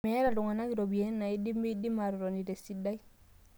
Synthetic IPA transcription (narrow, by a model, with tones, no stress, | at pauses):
ɛ˦ɾa˨ɾu˨ŋa˨na˦ɡi˨ɾɔ˨bi˨ɛ˦nːa˨i˦di˦mi˦di˦ma˨ɾɔ˨ɾɔ˨ni˨de˨si˦da˦j